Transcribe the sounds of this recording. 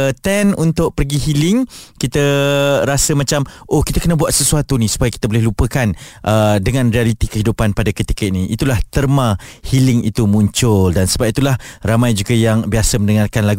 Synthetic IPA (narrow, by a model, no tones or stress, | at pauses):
t̪ɛnunt̪ʊʔ̚pərɡiɦilɪŋkit̪əɾasəmãt͡ʃamʔohkit̪akənəbuat̪̚səsuat̪unisu̥pajakit̪əbolɪhlupəkanʔədəŋãnrialit̪ikəɦidupanpadakət̪i̥kainĩʔit̪ulaht̪ərmãhilɪŋḭt̪umũɲt͡ʃʊldansəbap̚it̪ulahramãjd͡ʒuɡajaŋbiasəmə̃ndəŋarkanlaɡ